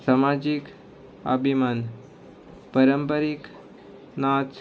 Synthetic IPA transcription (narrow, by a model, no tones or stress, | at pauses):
samad͡ʒik | ə̰bʱiman | pəɾəmpəɾik | nat